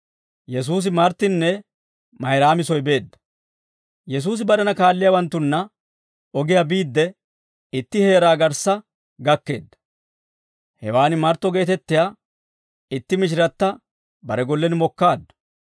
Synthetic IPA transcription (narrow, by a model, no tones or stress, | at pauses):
jɛs̬uːs̬ɪmɐɾt̪ːɪnːɛ | mɐjɾaːmɪsɔjbe̞ːd̪ːɐ̥ | jɛs̬uːs̬ɪbɐɾɛnɐkaːlːɪjawɐnt̪ːʊnːɐ | ɔɡɪjabiːd̪ːɛ | ɪt̪ːɪhe̞ːɾaːɡɐɾsɐ | ɡɐkːe̞̰ːd̪ːɐ̥ | hɛwaːnɪmɐɾt̪ːɔɡe̞ːt̪ɛt̪ːɪjaː | ɪt̪ːɪmɪʃ̬ɪɾɐt̪ːɐ | bɐɾɛɡɔlːɛnmɔkːaːd̪ːɐ̥